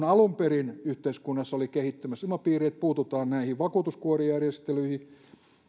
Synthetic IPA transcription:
nɑlumperinyht̪eiskunːɑsːɑolikehit̪ːymæsilmɑpiːriet̪̚puːt̪ut̪ɑːnnæihiʋʋɑkuːt̪uskuorijærjest̪elyihi

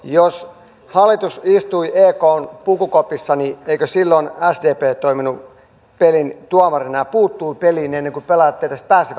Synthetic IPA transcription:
jos | hɑlːˑit̪usist̪uiʔeːkoːnpukukopisːɑnieikøsilːonæsdeːpeːt̪oiminu | pelint̪uɑmɑrinɑɑpuːt̪ːuːpeliːnenːeŋkupelɑt̪ːeːt̪ːæst̪̚pæːsːiʋ

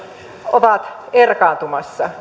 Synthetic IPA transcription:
oʋɑt̪ | erkɑːnt̪umɑsːɑ

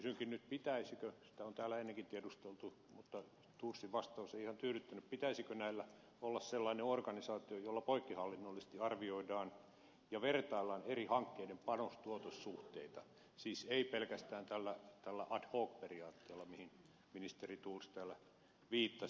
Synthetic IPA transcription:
kysyŋkinnyt̪̚pit̪æisikøsi̥t̪æont̪æːlːæenːeŋkint̪iædust̪elt̪u | mut̪ːɑ | t̪ursːiʋʋɑst̪ɑuseiihɑnt̪yːɾyt̪ːænyppit̪æisikønæilːæ | olːɑsselːɑineorkɑnisɑːt̪iojolːɑpoikːihɑlːinːolːisest̪iɑrʋioidɑːn | jɑʋert̪ɑilːɑnerihɑŋkːeidempɑnost̪uot̪osːuht̪eit̪ɑ | siːseipelkæst̪æːnt̪ælːæt̪ælːæʔɑdhoːk̚periɑːt̪ːeːlːɑmihin | minist̪erit̪urst̪æːlːæ | ʋiːt̪ːɑ

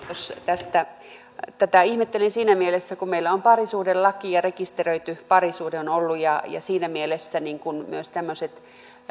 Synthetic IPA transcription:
jost̪æst̪æ | t̪æt̪æihmet̪ːelensiːnæmielesːækummeilːæompɑrisuːdellɑkiɑrekist̪erøit̪ypɑrisuːdeonolːujɑjɑ̰siːnæmielesːæniŋkunmyøst̪æmːøset̪

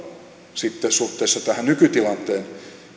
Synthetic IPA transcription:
sit̪ːesuht̪ˑeːsːɑt̪æhænnykyt̪ilɑnt̪ˑeːn

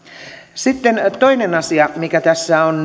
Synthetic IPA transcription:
sit̪ːent̪oinenɑsiɑmikæt̪æsːæon

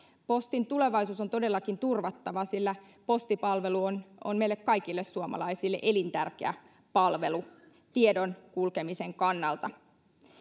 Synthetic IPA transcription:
po̞st̪int̪ule̞ʋɑisuːsont̪o̞delːɑkint̪urʋɑt̪ːɑʋɑsilːæ | po̞st̪ipɑlʋeluono̰nmeilːekkɑikilːessuomɑ̰lɑisilːḛʔe̞lint̪ærkḛæ̰ | pɑlʋe̞lu | t̪iedonkulkemiseŋkɑnːɑlt̪ɑ

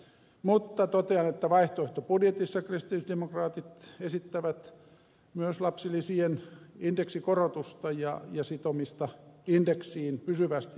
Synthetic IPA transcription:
mut̪ːɑt̪ot̪eɑnet̪ːæʋɑiht̪oeht̪opudjet̪isːɑkrist̪ilisdemokrɑːt̪it̪esit̪ːæʋæt̪ | myøslɑpsilːˑisienindeksikorot̪ust̪ɑjɑjɑsit̪omist̪ɑindeksiːnpysyʋæst̪i

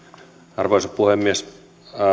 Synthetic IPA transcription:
ɑrʋoˑisopuhemːies

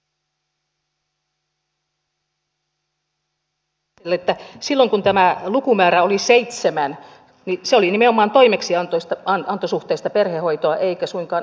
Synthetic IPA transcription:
elːet̪ːæsilːoŋkunt̪æmælukumæːɾæoliseit̪semæn | niseolinimeomɑːnt̪oimeksiɑnt̪oist̪ɑɑnt̪osuht̪eist̪ɑperhehoit̪oɑʔeikæsuiŋkɑːn

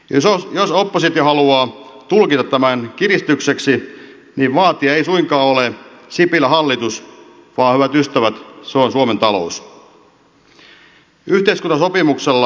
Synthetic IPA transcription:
ojosopːosit̪johɑluɑːt̪ulkit̪ɑt̪t̪æmænkirist̪ykseksi | niːʋʋɑːt̪iɑeisuiŋkɑːolesipilːæhɑlːit̪us | ʋɑːhyʋæt̪yst̪æʋæt̪seonsuoment̪ɑlo̰us | yht̪eiskunːɑsopimukselːɑ

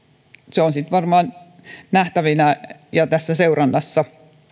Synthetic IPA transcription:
seonsit̪ʋɑrmɑːn | næht̪æʋinæjɑt̪æsːæseurɑnːɑsːɑ

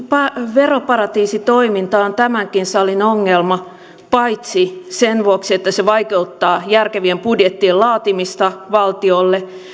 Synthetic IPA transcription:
pɑʋeropɑɾɑt̪iːsit̪oimint̪ɑːont̪æmæŋkinsɑlinoŋːelmɑ | pɑit̪sisenʋuoksiet̪ːæseʋɑikeut̪ːɑːjærkeʋiempudjet̪ːiːllɑːt̪imist̪ɑʋɑlt̪iolːe

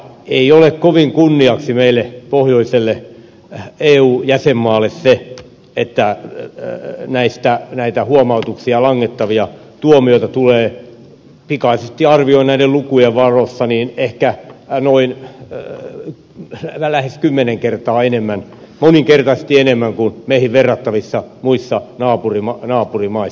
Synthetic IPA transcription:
eiolekkoʋiŋkunːiɑksimeilːˑepohjoiselːe | eːuːjæsemːɑːlːesse | et̪ːæ | næist̪ænæit̪æhuomɑut̪uksiɑlɑŋːet̪ːɑʋiɑ | t̪uomioit̪ɑt̪uleː | pikɑisest̪iɑrʋioinæidellukujeʋʋɑrosːɑniːnehkænoin | ælæheskymːeneŋkert̪ɑːenemːæn | moniŋkert̪ɑse̥st̪ienemːæŋkunmeihiʋʋerːɑt̪ːɑʋisːɑmuisːɑnɑːpurimɑnɑːpurimɑi

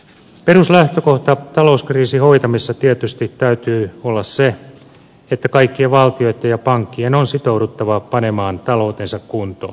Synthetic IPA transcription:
peruslæht̪øko̞ht̪ɑt̪ɑlouskriːsiho̞jt̪ɑmisːɑt̪iet̪yst̪it̪ːæyt̪yːolːɑsse | et̪ːækɑikːiɑʋɑlt̪io̞jt̪ɑjɑpɑŋkːienonsit̪ouɾut̪ːɑʋɑpɑne̞mɑːnt̪ɑlo̞ːt̪ensɑkkunt̪o̰ː

